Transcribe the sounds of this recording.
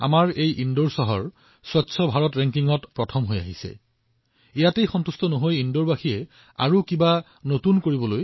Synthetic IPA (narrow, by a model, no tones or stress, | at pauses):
a̰maɹejʔindoɹsɔɦɔɹ | swɔtːsʰɔbʱaɹɔtɹɛŋkiŋɔtpɹɔtʰɔmɦoja̰ɦisɛ̰ | ijatejxɔntustɔnoɦojindoɹbaxiɛ | a̰ɹukiba | notunkoɹibɔloj